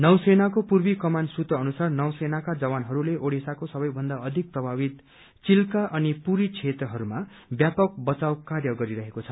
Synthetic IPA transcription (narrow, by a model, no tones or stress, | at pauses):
nʌwsenakopurbikʌmansut̪ʌːnusarnʌwsenakad͡zʌwanɦʌɾuleʔoɽesakosʌbʌjbʱʌnd̪aʌd̪ʱik̚prʌbʱabit̪ | t͡silkaʔʌnipuɾit͡sʰet̪rʌɦʌɾuma | bjapʌk̚bʌt͡sawkarjʌɡʌɾiɾʌɦekot͡sʰʌ